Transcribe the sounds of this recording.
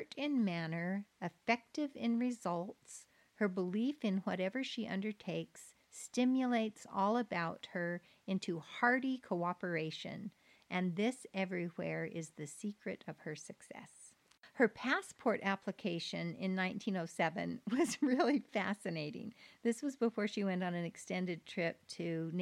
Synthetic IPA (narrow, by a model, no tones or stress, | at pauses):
ɾɪ̃nmænə˞ɨfɛk̚tɪvɪ̃nɹɪzʌlˠts | hə˞bəlifɨ̃nwʌɾɛvə˞ʃiʔʌ̰̃ndə˞tʰeɪks | tɪ̃mjɨleɪtsɔlˠəbaʊt̚hə˞ | ɪ̃ntʰuhɑɹɾikʰoʊɑpə˞eɪʃɨ̰̃n | ʔɨ̃nðɪsɛvɹiwɛɹɪzðɨsikɹɨɾʌv̥ə˞sɨksɛ̰s | hə˞pʰæspʰɔɹɾæpʰləkʰeɪʃɨ̃nɪ̰̃nːãɪ̃ntʰĩnoʊsɛvɨ̰̃nwʌzɹɪlˠifæsɨneɪɾɪ̰̃ŋðɪswʌzbəfɔɹʃiwɛ̃ntn̩ɨ̃nɨkstɛ̃ndɨd̚tʰɹ̥ɪp̚tʰɨ